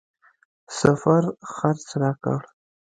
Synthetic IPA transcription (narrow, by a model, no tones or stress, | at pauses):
safaɾxaɾt͡sɾɑka̰ɽ